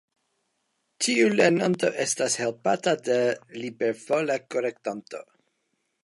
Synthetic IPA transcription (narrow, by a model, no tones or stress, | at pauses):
tʰiulenanto̞̰ʔestashelpatadelibeɾfolakoɾektant̪o̞̰